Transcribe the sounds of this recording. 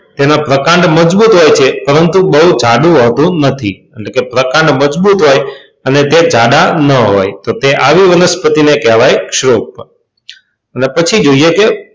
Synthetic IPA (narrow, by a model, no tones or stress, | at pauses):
t̪enapɾəkãɳɖməd͡ʒbut̪ɦojt͡ʃʰepəɾənt̪ũbəɦũd͡ʒʱaɽũɦot̪ũnət̪ʰḭeʈlekepɾəkãɳɖməd͡ʒbut̪ɦoj | ənet̪ed͡ʒaɖanəɦo̰jt̪ot̪eʔaʋiʋənəspət̪inekɛʋajkʃɾop | ənepət͡ʃʰid͡ʒoieke